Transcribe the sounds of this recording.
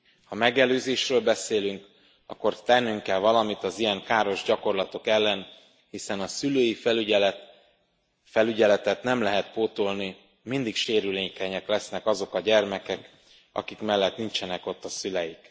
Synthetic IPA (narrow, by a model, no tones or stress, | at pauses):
hɒmɛɡɛløːzeːʃrøːlbɛseːlyŋk | ɒ̰kːo̞rt̪ɛnːyŋkːɛlvɒlɒmit̪ɒzijɛŋkaːɾo̞ʒɟɒko̞rlɒt̪o̞kɛlːɛn | hisɛnɒsyløːjiflylt̪ | fɛlyɟɛlɛt̪ɛt̪nɛmlɛɦɛt̪poːt̪olni | mind̪ikʃeːɾyleːkɛɲɛklɛsnɛkɒzo̞kɒɟɛrmɛkɛk | ɒ̰kikmɛlːɛt̪nint͡ʃɛnɛko̞t̪ːɒsylɛjik